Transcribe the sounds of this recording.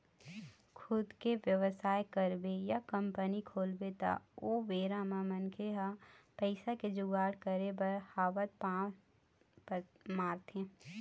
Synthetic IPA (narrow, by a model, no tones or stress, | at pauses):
kʰʊd̪keʋjəʋəsaːjkəɾbejakə̃mpənikʰoːlbet̪a̰oːʋeːɾamãmənkʰeɦapəɪsaked͡ʒʊɡaːɽkəɾebəɾhaːʋət̪̚pãː | pmaːɾt̪ʰẽː